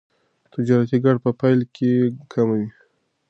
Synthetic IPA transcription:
t̪ɪd͡ʒɑɾat̪iɡaɽ̚pəpajlkʰekʰamawi

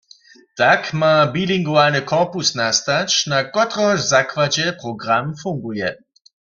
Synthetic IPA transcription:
takmabiliŋɡuanəkʰɔʁpusnast̪at͡ʃnakɔtʁɔzakwad͡ʒɛpʁɔɡʁamfuŋɡujɛ

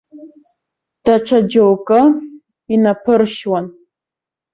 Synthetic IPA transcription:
d̥aʈ͡ʂʰad͡ʒowkʼɨ | inapʰɨɾʃwan

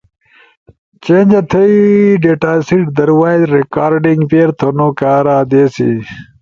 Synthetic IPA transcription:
t͡ɕẽːnd͡ʑɐt̪ʰɐiɖeːʈaːsiʈ̚d̪ɐɾwaːjzɾekaːɾɖiŋɡpeːɾt̪ʰonokaːɾaːd̪eːsḭ

